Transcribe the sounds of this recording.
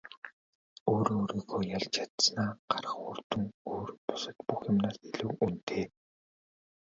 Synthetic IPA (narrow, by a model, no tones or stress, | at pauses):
oːɾoɾiːɣoːjaɮt͡ɕat̪snaːɢ̥arə̥̆χʊrt̪ɵ̆ŋoːrpʊ̥sə̆t̪puxjamnaːsiɮɘ̆wunt̪ʰeː